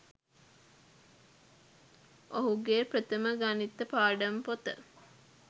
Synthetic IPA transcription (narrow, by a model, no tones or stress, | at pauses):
ʔoɦuɡeːpɾət̪əməɡanit̪ːəpaːɖəmpot̪ə̰